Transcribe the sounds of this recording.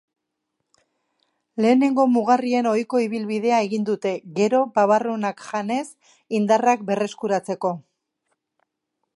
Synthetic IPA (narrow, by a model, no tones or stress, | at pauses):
le̞ːne̞ŋɡo̞muɣarie̞no̞jko̞iβ̞ilβið̞e̞ae̞ɣind̪ut̪e̞ɣe̞ɾo̞baβarunakʝane̞s | ind̪arakbe̞re̞skuɾat͡se̞ko̞